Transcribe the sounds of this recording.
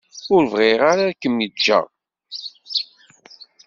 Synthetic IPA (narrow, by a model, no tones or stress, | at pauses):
ʊɾvʁɪʁaɾakəmjəd͡ʒːæ̰